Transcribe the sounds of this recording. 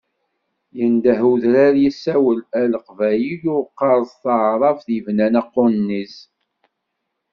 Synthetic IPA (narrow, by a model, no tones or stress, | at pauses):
jənd̪æɦuðɾaɾjisːæwəlæləqvæjijʊqːɑɾˤsθɑʕɾˤɑfðəvnænæqːʊnːiz